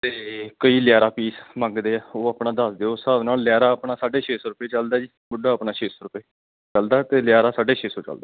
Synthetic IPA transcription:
t̪eːkəiːljaːɾaːpiːsmə̃ŋɡd̪eːɛːoːaːpnaːd̪əsd̪eːoːsaːbnaːlːɪjaːɾaːəpɳaːsaːɖeːt͡ʃʰeːsɔːɾʊpeːt͡ʃəld̪aːd͡ʒiː | bʊɖːaːəpnaːt͡ʃʰeːsoːɾʊpeː | t͡ʃəld̪aːt̪eːlɪjaːɾaːsaːɖeːt͡ʃʰeːsɔːt͡ʃə̰ld̪aː

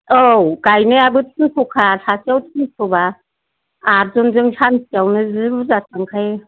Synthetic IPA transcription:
owɡ̥ajnɯabɯtʰɯŋsʰɔkʰasasiawtʰɯnsʰɔba | aɾzɔnzɯŋsansawnɯzɯbuzasaŋkʰaj

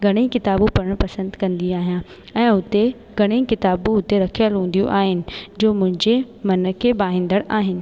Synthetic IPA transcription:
ɡʱɐɽ̃eĩkɪt̪aːbũpɐɽəɽ̃pɐsə̃nd̪kɐ̃nd̪iaːɦijã | ɛ̃ːʊt̪e | ɡʱɐɽ̃ĩkɪt̪aːbũʊt̪eɾɐkʰijəlɦũːn̆d̪ijṵ̃ʔaːɦɪnɪ̆d͡ʑoːmʊ̃ɦɪ̃ɲd͡ʑe | mɐnəkʰeːbaːɦɪ̃nd̪əɽaːɦɪnɪ̆

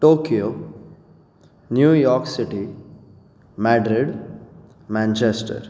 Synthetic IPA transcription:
ʈokijo | njuːjɔɾksiʈi | mæɖɾiɖ | mæ̃nt͡ɕesʈə̰ɾ

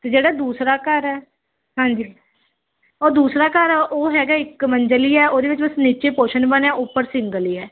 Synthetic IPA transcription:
t̪eːd͡ʒeːɽaːd̪uːsɾaːkəɾɛː | ɦãːɲd͡ʒiː | ɔːɾd̪uːsɾaːkəɾɛːʔoːɦɛːɡaːɪkməɲd͡ʒəliːɛːoːd̪eːʋɪt͡ʃbəsniːt͡ʃeːpoːʃənbənãːʔʊpːəɾsɪŋɡəliːɛː

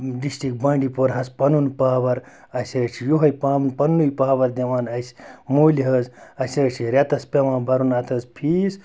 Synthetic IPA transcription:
ɖisʈik̚bɐ̃ɳɖipoɾɦɐspɐnunpaːʋɐɾ | ɐsʲɐt͡ʃʰijuɦɐjpaːmunpɐnːujpaːʋɐɾd̪eʋaːnɐsmuːliɦɐzɐsʲɐːt͡ʃʰiɾʲɐt̪ɐspʲemãːnbɐɾunɐt̪ʰɐzpʰiːs

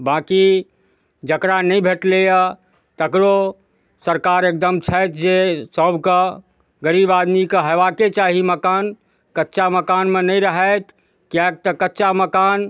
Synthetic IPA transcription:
bãːki | d͡ʒəkɾanəĩbʱeʈleja | t̪əkɾo | səɾkaɾeːk̚d̪əmt͡ʃʰət̪ʰd͡ʒesəbʱkə | ɡəɾiːbaːd̪mikeɦəʋaket͡ʃaɦiməkaːn | kətːt͡ʃaməkaːnmẽnəĩɾəɦɛt̪ʰ | kjak̚t̪əkətːʃaməkaːn

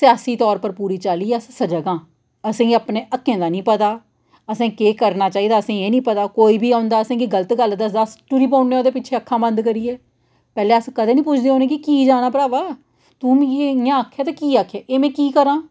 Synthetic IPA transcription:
sjaːsiːt̪ɔːɾpəɾpuːɾiːt͡ʃaːliːɛəssəd͡ʒəɡãː | əsĩːapneːʔəkʰːẽːd̪aːnĩːpət̪aː | əsẽːkeːkəɾnaːt͡ʃaːiːd̪aːəsĩːeːnĩːpət̪aːkoːiːbʱiːaːʊ̃nd̪aːəsẽːkiɡələt̪ɡəld̪əsd̪aːsʈʊɾiːpãːʊneːoːd̪eːpɪt͡ʃʰeːəkʰːãːbənd̪kəɾiːɛː | pɛːleːəskəd̪eːnĩːpʊt͡ʃʰd̪eːɦoːnẽːkɪkiːd͡ʒaːnaːpəɾaːʋaː | t̪ʊːmeːãːəkʰːeːt̪aːkiːaːkʰːɛːʔeːmɛ̃ːkiːkəɾãː

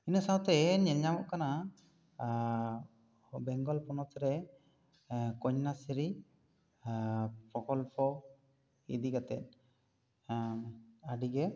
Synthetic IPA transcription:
inəsawt̪ɛɲɛɲamɔʔkana | bɛŋɡɔlpɔnɔt̪ɾɛ | kɔɲnasiɾi | pɾɔkɔlpɔ | ḭd̪iɡat̪ɛ̰t̪̚ˀ | aɖiɡɛ

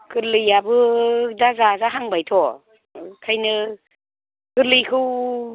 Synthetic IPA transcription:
kɯɾlɯjabɯdazazaɦaŋbajtʰɔ | kʰajnɯ | kɯɾlɯjkʰɯw

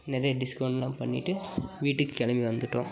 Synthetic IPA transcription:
nɛɾɐjɐɖɪskɐwʊɳɖɐlaːmpɐɳːɪ̰ʈːɯʋiːʈːɯkːɯɛɭɐmbiʋɐnd̪ɯʈːõ̰ː

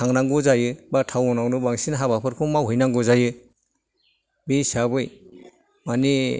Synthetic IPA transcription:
aŋnaŋɡɔzajɯbatʰawɔnawnɯbaŋsinaɦabapʰɯɾkʰɔmawɦɯjnaŋɡɔzajɯ | bisabɯj | mani

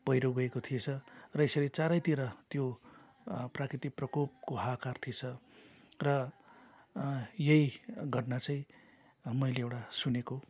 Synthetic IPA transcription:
pʌjɾoɡʌekot̪ʰiet͡sʰʌrʌesʌɾet͡saɾʌjt̪iɾʌt̪jo | prakrit̪iprʌkop̚koɦakart̪ʰiet͡sʰʌ | rʌ | jʌjɡʱʌʈnat͡saj̃ | mʌjleewʈasuneko

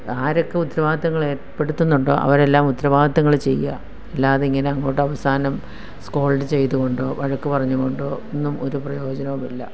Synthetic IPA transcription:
aːɾokːe̞ut̪ːɾɐʋaːɡɐd̪ɐŋːɐɭe̞ːʈpːe̞ɽut̪ːunːuɳɖo̰ːʔɐ̰ʋɐɾe̞lːaːmut̪ːɾɐʋaːɡɐt̪ːɐŋːɐɭt͡ɕe̞jːa̰ | elːaːðeiŋːɐneɐŋːoːʈːɨɐʋɐsaːnɐm | skoːɭɖɨt͡ɕe̞jt̪uɣo̞ɳɖoːʋɐɻɐkːɨpɐrɐɲːuɣo̞ɳɖoːonːumʔo̞ɾuprɐjo̞ːd͡ʑɐnɐʋumilːɐ̰

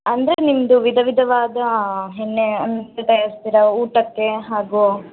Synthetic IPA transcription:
ɐnd̪ɐɾenimɐd̪uʋid̪ʱɐʋid̪ʱɐʋaːd̪ɐɦenːeɐnːɐt̪ɐlt̪ɐjaːɾst̪iɾɐuːʈɐkːe̞ɦaːɡu

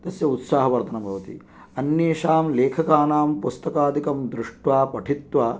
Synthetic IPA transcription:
t̪ɐsjɐut̪saːɦɐʋɐɾt̪ʰɐnɐmbʱɐʋɐt̪ḭ | ɐnjeːʃaːmleːkʰɐkaːnaːmpust̪ɐkaːd̪ʱikɐmd̪ɾuʂʈʋaːpɐʈʰit̪ʋaː

